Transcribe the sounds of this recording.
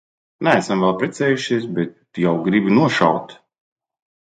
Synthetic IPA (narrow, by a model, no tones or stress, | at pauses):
nææsamvɛlˠpɾɛt̪sɛːjuʃiɛsbɛt̪jawɡɾibinuɔʃa̰wt̪